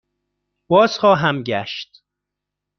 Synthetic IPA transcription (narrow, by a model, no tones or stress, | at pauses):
b̥ɒːz̥xɒːɦæmɟæʃt̪